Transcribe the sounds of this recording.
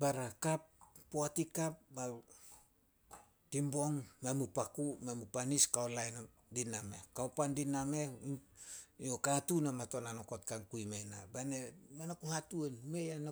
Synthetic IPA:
baɾakapːoatikap̚ba | timbo̞ŋmamupakumemupaniskaolajn | diname̞̰kaopandiname | okatunamato̞nanokot̚kaŋkujmena̰banemanakuhatuenme̞jana

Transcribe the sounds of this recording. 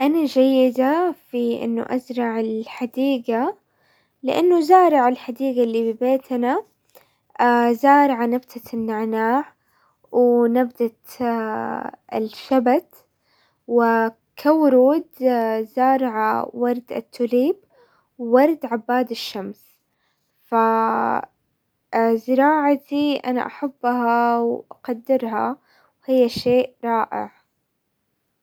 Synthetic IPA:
ʔanad͡ʒajːɪd̪afiʔɪ̰nːʊ̰ʔazɾˤɑʕɪlħad̪iːɡa | lɪʔa̰nːʊzɑːɾˤɑʕalħad̪iːɡalːiːbɪbeːt̪na | azɑːɾˤɑʕanabt̪ʰanːaʕnaːʕ | wnabd̪at̪ | ɪ̰lʃabat̪ | wɪ | kʰawʊɾuːd̪zɑːɾˤʕa̰wɑɾˤd̪a̰t̪ːʊliːb | wːɑɾˤd̪ʕabːaːd̪ɪʃːams | fa | zɪɾɑːʕat̪iʔa̰na̰ʔaħabːhawʔaqad̪ːɪɾɦa̰ | whɪjːaʃeːʔɾˤɑːʔɪ̰ʕ

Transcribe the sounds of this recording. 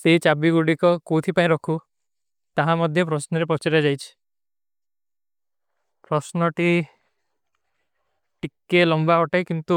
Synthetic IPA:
seɦit͡ʃabiɡuɽikɔkot̪ʰipaĩɾɔkʰu | t̪aɦãmɔd̪ʱjɔpɾɔsnɔɾepɔt͡ʃiɾad͡ʒajt͡ʃʰi̥ | pɾɔsnɔʈi | ʈikːelɔmbaɔʈajkint̪u

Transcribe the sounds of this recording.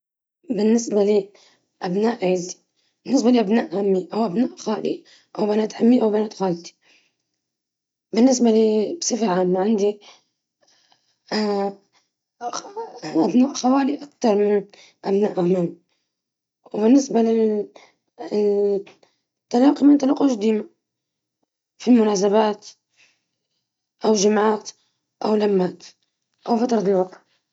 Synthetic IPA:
bɪnːɪsbali | ʔabnaːʔʕiːzi̥ | bɪnːɪs̬baliʔabnaːʔhamːiʔawʔabnaːʔxaːlḭ | ʔawbanaːt̪hamːiʔawbanaːt̪xaːlt̪i̥ | bɪnːɪsbaliːbsˤɨfɾʕaːmːaʕɪnd̪i | ʔabnaːʔxawaːliʔakt̪ɑɾˤmɪn | ʔabnaːʔaman | wbɪnːɪsbalɪ | t̪ːalɑːqimɪnt̪alɑqːuʃd̪iːma | filmʊnaːs̬abaːt̪ | ʔawʒamʕaːt̪ | ʔawlamːaːt̪ | ʔawfat̪ɾˤɑt̪ɪlwɑq

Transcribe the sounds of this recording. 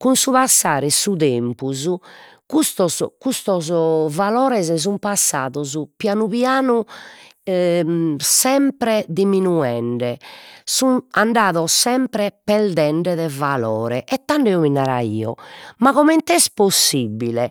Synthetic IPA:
kunsuβasːaːɾɛsuðempuzu | kust̪ɔzkust̪ɔzvalɔːɾɛzɛzumpasːaːðɔzupjanuβjaːnu | sɛmpɾɛd̪iminuɛɳɖɛsunaɳɖaːðɔsɛmpɾɛpɛɾd̪ɛɳɖɛðɛvalɔːɾɛʔɛt̪ːaɳɖɛɔminːaɾa̰ḭːɔ̰maɣɔmɛnt̪ɛsposːibːilɛ

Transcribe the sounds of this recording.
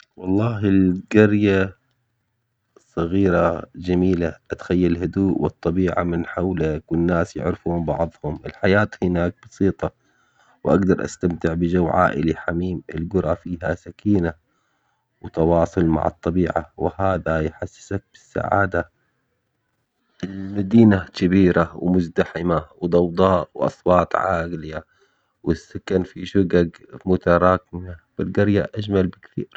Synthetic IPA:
wɑlˤːɑːɦɪlɡɑɾja | sˤɑɣiːɾad͡ʒamiːlaʔat̪xajːalɦʊd̪uːʔwɨt̪ˤːɑbiːʕa̰mɪnħawlakwɪnːaːsjɪ̰ʕɾɪfuːmbɑ̰ʕðˤhʊmʔɪ̰lħajaːt̪hɪnaːk̚bɑsiːt̪ˤɑ | wʔaɡd̪ɑɾˤʔa̰st̪amt̪ɪʕbɪd͡ʒawʕa̰ːʔɪliħamiːmɪ̰lɡʊɾˤɑfiːɦasakiːna | wɪt̪ɑwɑːsˤʊlma̰ʕɑ̰t̪ˤːɑbiːʕa̰wɪhaːðajħasːɪ̥sak̚b̥ɪsːa̰ʕa̰ːd̪a | ʔɪlmad̪iːnakɪbiːɾawmʊzd̪aħɪmawd̪ˤɑwd̪ˤɑːʔwʔɑ̰sˤwɑːt̪ˤʕaːɡlɪja | wɪsːʊkːanfiʃʊɡaɡmʊt̪aɾˤɑːkɪmab̥ɪlɡɑɾjaʔaʒmalbɪkθḭːɾ

